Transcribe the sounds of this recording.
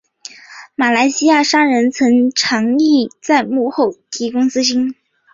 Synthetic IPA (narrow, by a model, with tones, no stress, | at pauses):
ma˨˩la˧˥ɪɕi˥ja˥˩ʂɑ˥ŋɻə˧˥nt͡sʰɤ˧˥ŋʈ͡ʂʰɑ˧˥ŋi˥˩t͡sa˥˧ɪmu˥˧xo˥˩ʊt̪ʰi˧˥kʊ˥ŋt͡sɹ̩˥ɕi˥n